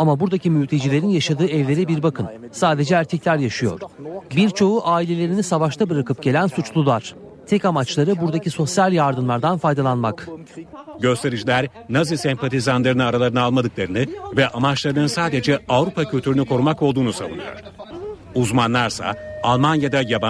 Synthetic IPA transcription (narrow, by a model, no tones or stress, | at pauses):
amabuɾd̪acimylʲt̪ʰed͡ʒilʲe̞ɾinjaʃad̪ɯːɛvlʲe̞ɾɛbiɾbakʰɯnsaːd̪e̞d͡ʒɛːɾcʰɛclʲæɾjaʃɯjo̞̰ɾ̥biɾt͡ʃʰo̞uʔaːilʲe̞lʲe̞ɾinisavaʃt̪ʰabɯɾakɯp̚ɟ̥elʲænsut͡ʃlˠulˠaɾ̥t̪ʰɛcamat͡ʃlˠaɾɯbuɾd̪aciso̞sjalʲjaɾd̪ɯmlˠaɾd̪anfajd̪alˠanmak | ɟø̞st̪ʰe̞ɾid͡ʒilʲæɾ | nazɯsɛmpʰat̪ʰizanlˠaɾɯnɯaɾalˠaɾɯnɯalˠmad̪ɯklˠaɾɯnɯvɛʔamat͡ʃlˠaɾɯnɯnsaːd̪e̞d͡ʒɛavɾupʰacʰylʲt̪ʰyɾynykʰo̞ɾumakolˠd̪uːnusa̰vunɯ̰jo̰ɾ̥ | uzmanlˠaɾsa̰alˠmanjad̪ajaba